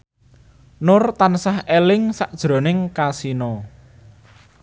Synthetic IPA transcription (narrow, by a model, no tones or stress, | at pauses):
nʊrt̪ansahelɪŋsaʔd̥ʒ̥ɾo̤nɪŋkasinɔ